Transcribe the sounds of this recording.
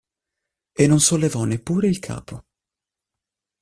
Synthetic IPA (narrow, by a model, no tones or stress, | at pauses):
enːonsolːevɔnːepːuːɾeilkʰa̰ːpʰo